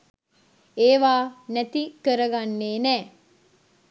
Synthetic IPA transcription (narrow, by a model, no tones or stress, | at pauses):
eːʋaːnæt̪ikəɾəɡanːeːnɛː